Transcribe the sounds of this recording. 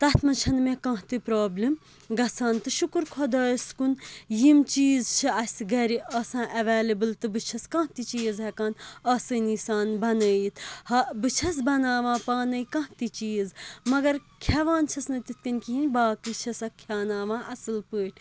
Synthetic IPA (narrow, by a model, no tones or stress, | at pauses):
t̪ɐt̪mɐnt͡ʃʰɐnmekɐ̃ɦt̪ɨpɾoːblʲim | ɡɐsʰaːnt̪ɨʃukɨɾkʰod̪aːjskunjimt͡ʃiːzt͡ʃʰɨɐsʲɡɐɾiɐsãːʔɐʋeːlɐbɨlt̪ɨbɨt͡ʃʰɐskãːɦt̪it͡ʃiːzɦɐkaːnɐsɨːnisaːnbɐnəːjit̪ʰhɐbɨt͡ʃʰɐsbɐnaːʋãːpaːnɐikɐ̃ɦt̪it͡ʃiːzmɐɡɐɾ | kʲʰɐʋaːnt͡ʃʰɐsnɨt̪it̪kɐnʲkiɦinʲbaːkɨt͡ʃʰɐsɐkʰʲaːnaːʋãːʔɐsɨlpəːʈ̚ʰʲ